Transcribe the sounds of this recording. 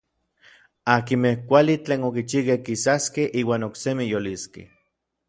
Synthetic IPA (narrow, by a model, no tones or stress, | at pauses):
akimehkʷalit͡ɬeːnokit͡ʃihkehkisaskehʔiːwaːnoksemijoliskḛ